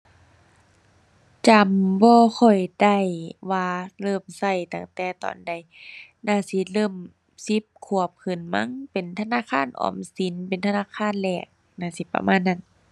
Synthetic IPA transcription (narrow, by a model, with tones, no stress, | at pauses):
t͡ɕa˧mbɔː˧xʰɔ˧˨˩jda˧˩jwaː˧lɤː˧˩msa˧˩jt̪a˧˩ŋt̪ɛː˧˩t̪ɔ̰ː˧˨nda˧˩˨j | naː˧˩˨si˧˦lɤː˧˩˨m | si˧˦p̚kʰu˧˩əp̚kʰɯ˨˧˩nma˧˥˨ŋpe˨˩nt̪ʰa˧naː˧˥˨kʰaː˧˥˨nʔɔ̰ː˧˩msi˨˦npe˨nt̪ʰa˧naː˧˥˨kʰaː˧˥˨nlɛː˧˩k̚ | naː˧˩˨si˧˦pːa̰˧mʔaː˧˥˨nːa˧˩n